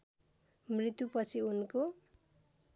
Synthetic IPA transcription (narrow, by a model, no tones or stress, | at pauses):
mrit̪jupʌt͡sʰiunko